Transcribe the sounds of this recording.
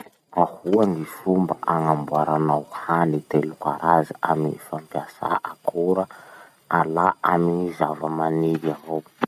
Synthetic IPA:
ahuaŋifumbaʔaŋambuaɾanawhanit̪elukaɾaziamifampiasa̰ʔakʰuɾə | alaamizavəmaniɾiavo

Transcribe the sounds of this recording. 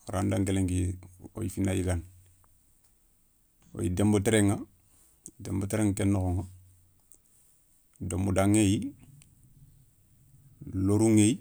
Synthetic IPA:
aɾandaŋkeleŋɡio̰jifinːajiɡan | o̰jidemboteɾeŋa | demboteɾeŋkenːokoŋo | domudaŋeji | loɾuŋej

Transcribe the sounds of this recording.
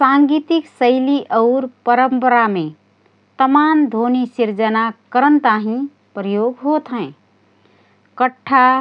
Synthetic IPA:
sãŋɡit̪iksəɪliʔəʊɾpəɾəmpəɾamẽ | t̪əmand̪ʱonisiɾd͡ʒənakəɾənt̪aɦĩ | pɾəjoɡɦot̪ɦɛ̃ɪ | kəʈʰːa

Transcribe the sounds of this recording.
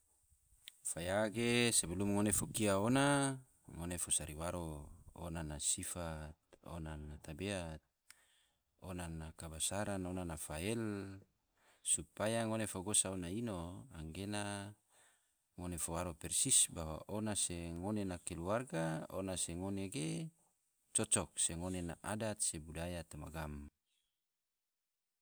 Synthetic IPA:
fajaɡesebelumŋonefokiaona | ŋonefosaɾiwaɾoo̰nanasifat̪̚o̰nanat̪abeat̪̚ | onanakabasaɾanonanafaɛl | supajaŋonefoɡosaonainoa̰ŋɡena | ŋonefowaɾopɛrsisbawa̰ʔonaseŋonenakeluarɡao̰naseŋoneɡe | t͡ʃɔt͡ʃɔk̚seŋonena̰ʔadat̪̚sebudajat̪oma̰ɡam

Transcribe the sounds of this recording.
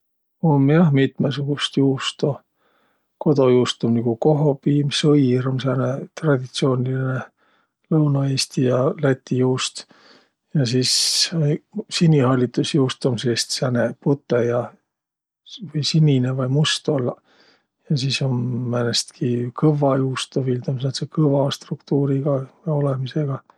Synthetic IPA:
o̞mjɑhmit̪mesuɡ̥ust̪juːst̪o | ko̞d̪o̞juːst̪omniɡ̥uko̞ɦo̞piːmsɤjɾomsæːnet̪rɑd̪̥ʲit̪sio̞ːniline | lɤwnɑeːst̪ijɑlæt̪ʲːijuːst̪ | jɑsiːs | sinʲihɑlʲːit̪ːˑusjuwst̪omsest̪sæne̞put̪ːˑejɑ | vɤjsinʲinevɑjmust̪o̞l | jɑsiːso̞nːænest̪kʰikɤvɑjuːst̪ovild̪omsnɑt̪sekɤvɑst̪rukt̪uːɾiɡ̥ɑo̞le̞mise̞ɡ̥ɑ

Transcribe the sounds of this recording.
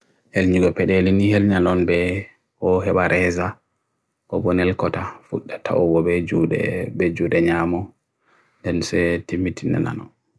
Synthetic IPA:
helɲiɡɔpɛɗelinihelɲanɔnbɛ | kɔɦɛɓaɾʔɛza | kɔbɔnɛlkɔtafuɗːatʰa̰wɔwɔbɛd͡ʒudɛ̰bɛd͡ʒuɗɛɲamɔ | ndɛnsɛtimːitʰinɛ̰na̰nɔ̰n

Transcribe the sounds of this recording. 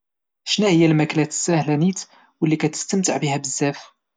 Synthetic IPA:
ʃnæhəjːælmæklæt̪sæhlænit̪ | wəlːikæt̪ə̥st̪əmt̪əʕbihæbəzːæf

